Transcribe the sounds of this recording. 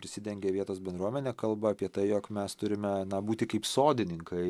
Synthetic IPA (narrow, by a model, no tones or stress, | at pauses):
pɾʲɪsʲɪd̪ʲɛŋʲɡʲeːʋʲiɛt̪oːsbʲɛnd̪ɾuɔmʲɛnʲeːkɐlˠbɐɐpʲiɛt̪ɐɪjoːkmʲɛst̪ʊɾʲɪmʲɛnɐbuːt̪ʲɪkɐɪpsoːd̪ʲɪnʲɪŋkɐɪ